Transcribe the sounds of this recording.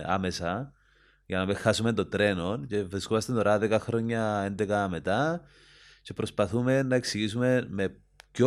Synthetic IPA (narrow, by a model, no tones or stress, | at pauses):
a̰me̞sɐ | ʝɐnɐmexɐsume̞nt̪ot̪ɾe̞no̞nce̞vɾiskomɐst̪et̪o̞ɾɐðekɐxɾo̞ɲːɐend̪e̞kɐme̞t̪ɐ | ce̞pɾo̞spɐθume̞nːɐe̞ksiʝis̬ume̞me̞ | co